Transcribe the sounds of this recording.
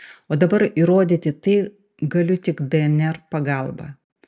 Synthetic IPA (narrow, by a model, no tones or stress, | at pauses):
oːd̪ɐbɐɾiɾoːd̪ʲit̪ʲɪt̪ɐɪ | ɡɐlʲʊt̪ʲɪkd̪ʲɛɛnʲɛɾpɐɡɐlˠbɐ̰